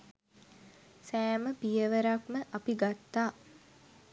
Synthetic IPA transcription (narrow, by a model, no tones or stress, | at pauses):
sæːməpijəʋəɾakməʔapiɡat̪ːaː